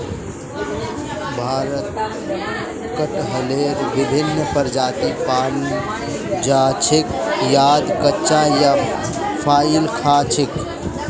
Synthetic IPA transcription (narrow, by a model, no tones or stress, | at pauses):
bʱaːɾət̪ | kəʈɦəleɾbɪbʱɪnːəpəɾd͡ʒaːt̪ipaːl | d͡ʒat͡ʃʰɪkjaːd̪kətːt͡ʃajapʰaːilkʰaːt͡ʃʰɪk